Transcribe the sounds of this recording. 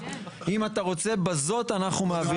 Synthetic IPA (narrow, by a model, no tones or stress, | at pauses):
imat̪aʁo̞t͡se̞bazo̞t̪anaχnumeavi